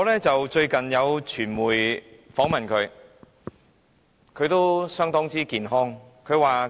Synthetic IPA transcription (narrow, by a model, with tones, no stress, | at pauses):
ŋɔː˨˧˥lɛː˥t͡sɐ˨wt͡ʃɵ˧ɥkɐ˨njɐ˨˧wt͡ʃʰyː˨˩nmuː˨˩jfɔː˨˥ŋmɐ˨nkʰɵ˨˧ɥ | kʰɵ˨˧t̪o˥wsœː˥ŋt̪ɔː˥ŋt͡siː˥kiː˨nɦɔː˥ŋkʰɵ˨˧ɥwaː˨˩